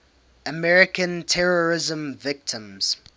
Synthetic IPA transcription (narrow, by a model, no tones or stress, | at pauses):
əmɛɹɪkə̃ntʰɛɹɔɹɪzə̃mvɪk̚tʰə̃mz̥